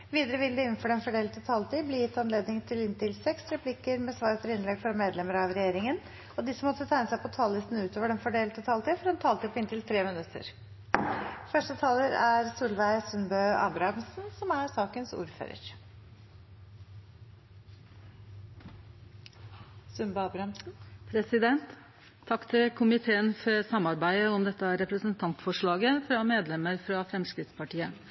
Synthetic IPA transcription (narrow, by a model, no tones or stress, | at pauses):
ʋiːd̪əɾəʋɪld̪əɪnn̩fɔɖɛnfɔɖeːlt̪ət̪ʰɑːlt̪iːbliːjɪt̪ːɑnleːd̪nɪŋt̪ʰɪlɪnt̪ɪlsɛksɾɛpʰlɪkəɾmɛːsʋɑːɾpʰɔɾɪnlɛɡfɔɾmeːd̪lɛməɾɑʋɾɛjeːɾɪŋən | ɔd̪ɪsəmɔt̪ːət̪ʰæɪnəsæɪpʰɔt̪ʰɑːllɪst̪n̩ʉːt̪ʰoːʋəɖɛnfɔɖeːlt̪ət̪ʰɑːlt̪iːfɔɾɑnt̪ʰɑːlt̪iːpʰɔɪnt̪ɪlt̪ʰɾeːmɪnʉt̪ːə̰ɾ | fœʂʈət̪ʰɑːləɾæɾsuːlʋæɪsʉnbœɑ̰d̪ɾɑmsn̩sɔmæɾsɑːkənsṵːɾfø̰ːɾə̰ɾ | sʉnbɑːbɾɑmsnpʰɾɛsɪd̪ɛnt̪ʰː | ɑkːt̪ʰɪlkʰʊmɪt̪ʰeːənfɔɾsɑmɑɾbæɪd̪əɔmd̪ɛt̪ːəæɾɛpɾəsənt̪ʰɑnt̪fɔʂɭɑːɡəfɾɑmeːd̪lɛməɾfɾɑfɾɛmskɾɪt̪spʰɑʈiːə